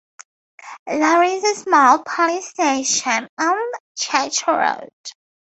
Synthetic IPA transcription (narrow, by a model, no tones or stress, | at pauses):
ðəɹɪzəsmɔlˠpʰɑlisteɪʃə̃nə̃nt͡ʃʰɛt͡ʃɹo̰ʊd̥